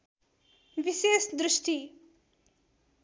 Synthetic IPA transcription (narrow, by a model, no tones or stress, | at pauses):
visiæst̪d̪ɾʊʃt̪i